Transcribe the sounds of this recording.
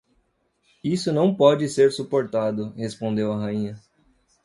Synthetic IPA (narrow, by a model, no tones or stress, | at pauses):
isʊnɐ̃w̃pɔd͡ʒɪseɾsupoɾt̪ad̪ʊhespõnd̪ewɐɦaĩɲɐ